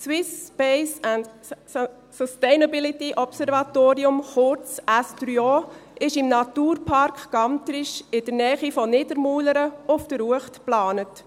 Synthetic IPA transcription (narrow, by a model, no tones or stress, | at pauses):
swɪspɛɪsænd | sɔsteɪnabɪlit̪iʔɔpsɛɾvɑt̪oːɾiʊmχʊɾt͡sæstɾyoːɪʃɪmnɑt̪uːɾpʰɑrkχɡ̥ɑnt̪ɾɪʃɪd̥əɾnɛːχifɔnɪdəɾmuːləɾəʊfd̥əɾuəχtplɑːnət